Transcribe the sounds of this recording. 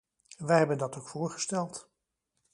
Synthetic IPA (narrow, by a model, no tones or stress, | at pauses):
ʋɛjɦɛbəndɑtowkfʊːɹχə̥stɛlˠt